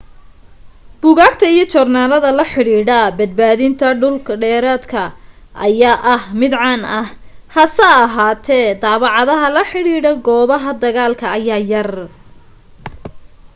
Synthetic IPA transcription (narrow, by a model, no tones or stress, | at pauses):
b̥ʊɣaːɡt̪ʰɐijɞt͡ʃɔrnaːlɐðɐlɐħɪɽiːɽɐbɐd̪̚baːðɪnt̪ʰɐɖʊlkʰɐɖɛːɾaːd̪kʰɐ | ʔɐjaːʔɐhmɪd̪ʕɑnɐhhɐsɐɐɦaːt̪ʰɛːd̪aːβɑʕɑðɐɦɐlɐħɪɽiːɽɐɡɔːβɐɦɐd̪ɐɣaːlkʰɐːjaːjɐr